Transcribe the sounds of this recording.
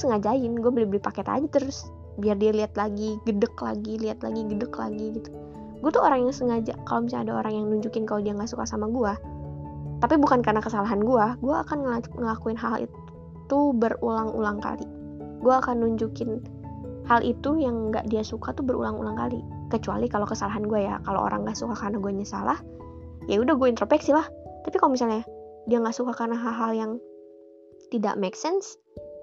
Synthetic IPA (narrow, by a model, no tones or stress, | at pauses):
səŋad͡ʒaɪnɡuabəlɪhbəlɪhpakɛt̪a̰d͡ʒit̪ərʊs | biardialiat̪laɡiɡədəkla̰ɡiliɦat̪la̰ɡiɡədəkla̰ɡiɡit̪u̥ | ɡuat̪uoɾaŋjaŋsəŋad͡ʒa̰kalomisaadao̰ɾaŋjaŋnuɲd͡ʒukɪnkalodiaŋɡaʔsukasamaɡua | t̪apibukankarnakəsalaɦanɡuaɡuaːkanŋəŋəlakuɪnɦalḭt | t̪ubəɾulaŋṵlaŋka̰li | ɡuaːkanːuɲd͡ʒukɪn | halʔit̪ujaŋɡa̰ʔdiasukat̪ubəɾṵlaŋṵlaŋkalikət͡ʃua̰likalokəsalaɦanɡuaja̰kalo̰ʔo̰ɾa̰ŋɡaʔsukakarnaɡuaɲəsa̰lah | jaudaɡuaint̪ɾopɛksilaht̪apikalomis̬alɲadiaŋɡaʔsukakarnaɦalɦaljaŋ | t̪ida̰ʔmeksɛns